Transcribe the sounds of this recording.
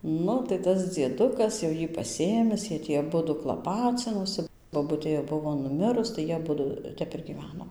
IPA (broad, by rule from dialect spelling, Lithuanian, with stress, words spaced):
ˈnʊ tɐɪ ˈtɐs d͡zʲiɛˈdʊkɐs jɛʊ ˈjiː pɐˈsʲeːmʲɪs ˈjiɛ ˈtʲiː ɐˈbʊdʊ klˠɐˈpɑːt͡sʲɪnoːsʲɪ boːˈbʊtʲeː jɛʊ ˈbʊʋoː nʊˈmʲɪrʊs tɐɪ ˈjiɛ ɐˈbʊdʊ ˈtʲɛp ɪr ɡʲiːˈʋʲæːnoː